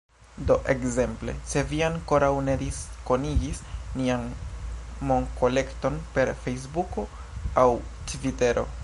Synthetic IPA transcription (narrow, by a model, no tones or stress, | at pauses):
do̞ʔe̞kze̞mple̞̰se̞vianko̞ɾawne̞d̪isko̞niɡisnian | mo̞ŋko̞le̞kto̞npe̞ɾfejs̬buko̞ | awtvite̞ɾo̞̰